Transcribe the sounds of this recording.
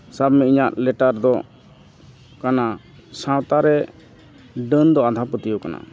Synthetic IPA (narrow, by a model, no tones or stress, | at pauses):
sabmɛiɲaʔlɛʈaɾd̪ɔ | kana | sãwt̪aɾɛ | ɖənd̪ɔad̪ʱapət̪ijɔkana̰